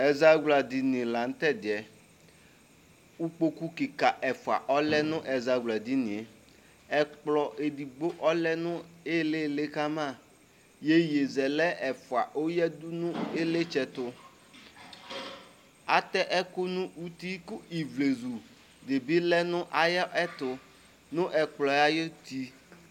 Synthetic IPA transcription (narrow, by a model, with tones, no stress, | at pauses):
ɛ˨za˦ɡla˨dɪ˨nɪ̃˨la˨ŋ̩˦t̪ɛ˦d̪ɪ˨ɛ˨ | u˦k͡po˦ku˦ki˨ka˨ʔɛ˨fʊ˨a̰˨ʔɔ˦lɛ˦nʊ̃˦ʔɛ˨za˨ɡla˨d̪i˦nɪ̃˨e˨ | ɛ˦k͡plɔ˦ʔe˨di˨ɡ͡bo˦ʔɔ˦lɛ˦nʊ̃˦ɪ˦le˦le˦ka˦mã˦˨ | je˦je˨zɛ˨lɛ˦ɛ˨fʊ˨a˨ʔo˦jɛ˦d̪ʊ˦nʊ̃˦e˦le˦t͡ʃɛ˨t̪ʊ˦ | a̰˦t̪ɛ˦ʔɛ˦kʊ˦nʊ̃˦u˦t̪i˦kʊ˦i˨vle˨zu˨ | de˨bi˦lɛ˦nʊ̃˦ʔa˨jɛ˦ʔɛ˦t̪ʊ˨ | nʊ̃˦ʔɛ˨k͡plɔ˨ja˦je˦t̪i˦